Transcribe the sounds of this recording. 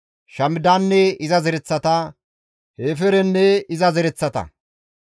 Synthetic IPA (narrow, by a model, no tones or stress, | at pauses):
ʃɐmɪd̪aːnːɛɪzɐzɛɾɛt͡sːɐt̪ɐ | heːfɛɾɛnːɛɪzɐzɛɾɛt͡sːɐt̪ɐ̰